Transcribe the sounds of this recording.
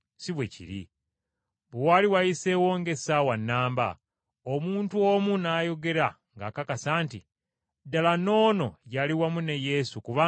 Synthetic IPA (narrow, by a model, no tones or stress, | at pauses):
siβwecḭɾḭ | βuwaːliwajise̞woːŋɡe̞sawanːaːmba̰ | omuːntuo̞munaːjo̞ɡe̞ɾa | ŋɡa̰kakasaːnti | dalano̞ːno̞̰ɟaliwamuneje̞sukuβaː